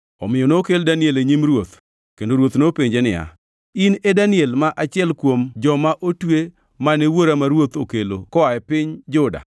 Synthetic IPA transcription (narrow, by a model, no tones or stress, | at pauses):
ɔ̰mɪjɔnokeldanɪeleɲimɾwot̪ | kendoɾwot̪nopeɲd͡ʒenɪja̰ | ɪnedanɪɛlmaʔat͡ʃɪɛlkwomd͡ʒɔmaʔotwe | manewoɾamaɾwot̪okelo̰kɔaɛpɪɲd͡ʒʊda̰